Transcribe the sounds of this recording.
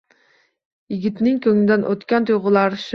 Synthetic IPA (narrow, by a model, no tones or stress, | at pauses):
jiɡʲit̪nɪŋkʲʰøŋɪd̪ɛnʔot̪kʲɑnt̪ʰoʁʊlˠɑɾʃ